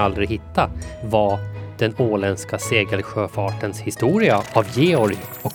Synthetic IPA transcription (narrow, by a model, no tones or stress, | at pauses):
ald̪ɾɪɦɪt̪ʰːavad̪̥ɛnoːlɛnskaseːɡəlɧøːfɑːʈənshɪst̪uːɾɪaavjeːɔɾɔk